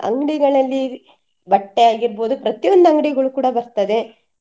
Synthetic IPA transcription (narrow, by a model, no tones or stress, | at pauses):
ɐ̰ŋɡɽiɡɐɭɐlːi | bɐʈːeaːɡiɾbo̞ːd̪upɾɐt̪ijo̞nd̪uɐŋɡɽiɡɐɭukuːɽɐbɐɾt̪ɐd̪e̞